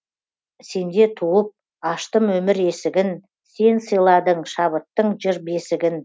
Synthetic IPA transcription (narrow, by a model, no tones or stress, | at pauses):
se̞nd̪et̪ʰuəp̚ | ɑʃt̪əmwɵmɪɾesɪɡʲɪn | se̞nsəjlˠɑd̪əɴʃɑβət̪ːəɴʒɪɾbe̞sɪɡʲɪn